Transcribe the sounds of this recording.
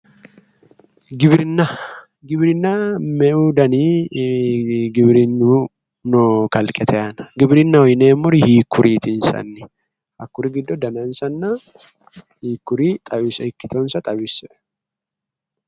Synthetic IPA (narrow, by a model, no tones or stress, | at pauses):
ɡɪbɾɪnːɐ | ɡɪbɾɪnːɐmɛʔuːd̪ɐniː | ɡɪbɾɪnːu | nɔkɐlkʼɛt̪ʰɛɐnɐ̥ɡɪbɾɪnːɐwɔjneːmːʊɾihiːkʰːʊɾʔiːt̪ɪnsɐ̰nːɪ | hɐkːʊɾɪɡɪd̪ːɔd̪ɐnɐnsɐnːɐ | hiːkːʊɾiːt̪ʼɐβɪsɪkːɪt̪ɔnsɐt̪ʼɐbɪsɛ